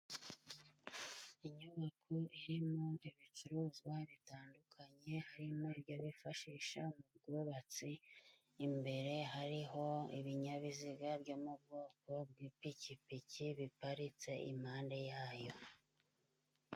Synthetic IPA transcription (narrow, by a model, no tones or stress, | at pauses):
iɲuβakʰoiɾimo̞iβit͡ʃuɾuːzɡwaβitaːndukʰaɲe̞haɾimo̞ibjo̞βifaʃiːʃa̰mubɡuːβat͡siː | mbe̞ɾe̞ɦaɾiɦo̞ḭβiɲaβiziɡabjo̞ːmubɡoːko̞b̚ɡiːpicipiciβipaɾit͡se̞ʔḭm̥haːnde̞jaːjo̞